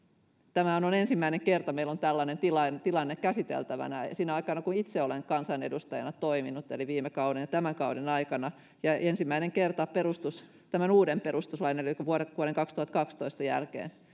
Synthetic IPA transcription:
t̪æmæhænonensimːæineŋkert̪ɑmeilont̪ælːɑnent̪ilɑnt̪ilɑnːekkæsit̪ḛlt̪æʋæ̰næsiːnæɑikɑnɑkunit̪seoleŋkɑnsɑnḛdust̪ɑjɑ̰nɑt̪oiminut̪ḛliʋiːmekɑudenjɑt̪æmæŋkɑudenɑikɑnɑ | jɑensimːæineŋkert̪ɑperust̪us | t̪æmænuːdemperust̪uslɑineelikuʋuoɾʋuoɾeŋkɑkst̪uhɑt̪kɑkst̪oist̪ɑjæ̰lkḛːn

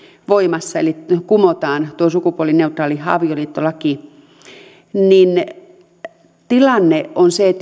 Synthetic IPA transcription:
ʋoimɑsːɑḛlikumot̪ɑːnt̪uosukupuolːˑineut̪rɑːlihɑ̰ʋioliːt̪ːolɑki | nin | t̪ilɑnːeʔonseet̪

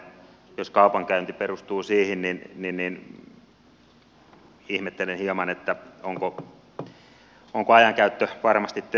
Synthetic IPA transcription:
joskɑupɑŋkæynt̪iperust̪uːsiːhinninninnin | ihmet̪ːelenhiɑmɑnet̪ːæoŋko | oŋkoɑjɑŋkæyt̪ːøʋɑrmɑst̪it̪t̪

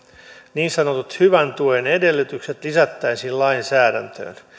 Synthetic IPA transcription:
niːnsɑnot̪ut̪hyʋænt̪uenede̞lːyt̪ykset̪lisæt̪ːæinsiːllɑinsæːdænt̪ø̰ːn

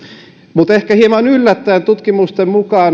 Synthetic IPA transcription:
mut̪ehkæhiemɑnylːæt̪ːæːnt̪ut̪kimust̪emmukɑːn

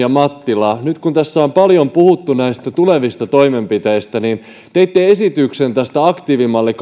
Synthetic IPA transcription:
ɑmɑt̪ːilɑːnyt̪kunt̪æsːæompɑljompuhut̪ːunæist̪æt̪ule̞ʋist̪ɑt̪oime̞mpit̪eist̪ænin | t̪eijt̪ːee̞sit̪yksent̪æst̪æɑkt̪iːʋimɑlːik

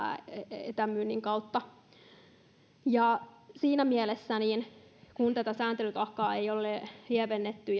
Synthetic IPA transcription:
ḛt̪æmyːnːiŋkɑut̪ːɑ | jɑsiːnæmielesːæninkunt̪æt̪æsæːnt̪elyt̪ɑkːɑːeijolːelieʋenːet̪ːy

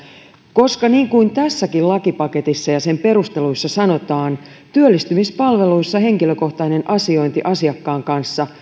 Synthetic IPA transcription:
ko̞skɑniːŋkuint̪æsːækillɑkipɑke̞t̪isːɑjɑse̞mpe̞ɾust̪e̞lujsːɑsɑno̞t̪ɑːn | t̪yølːist̪ymispɑlʋe̞luisːɑɦe̞ŋkilø̞ko̞ht̪ɑine̞nʔɑsio̞jnt̪iʔɑsiɑkːɑːŋkɑnsːɑ

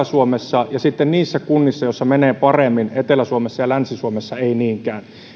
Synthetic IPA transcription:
æsuomesːɑjɑsit̪ːenniːsːækunːisːɑjosːɑmeneːpɑremːinet̪elæsuomesːɑjɑlænsisuomesːɑeiniːŋkæːn

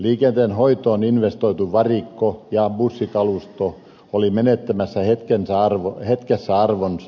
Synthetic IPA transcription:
liːkent̪eːnhoit̪oːninʋest̪oit̪uʋɑrikːojɑbusːikɑlust̪o | olimenet̪ːæmæsːæhet̪kensæɑrʋohet̪kesːæɑrʋons

